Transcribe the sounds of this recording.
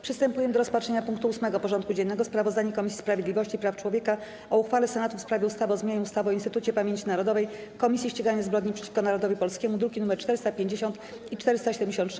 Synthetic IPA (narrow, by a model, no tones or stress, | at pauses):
pʂɨst̪ɛmpujɛmd̪ɔɾɔspatʂɛɲapuŋkt̪uusmɛɡɔpɔʐɔnt̪̚kud͡ʑɛnːɛɡɔspɾavɔzd̪aɲɛkɔmʲisʲi̥spɾavʲjed̪lʲivɔɕt͡ɕipɾaft͡ʂwɔvʲjeka | ɔuxfalɛsɛnat̪ufspɾavʲɛust̪avɔzmʲaɲɛust̪avɔinst̪ɘt̪ut͡ɕɛpamʲeɲt͡ɕinaɾɔd̪ɔvɛjkɔmʲisʲjiɕt͡ɕeɡaɲazbɾɔd̪ɲipʂɛt͡ɕi̥fkɔnaɾɔd̪ɔvipɔlskʲɛmud̪ɾukʲinumɛɾt͡ʂt̪ɛɾɘst̪apʲjeɲd͡ʑeɕɔnt̪ | it͡ʂt̪ɛɾɘst̪aɕɛd̪ɛmɲd͡ʑeɕ̬ɔnt̪ʂ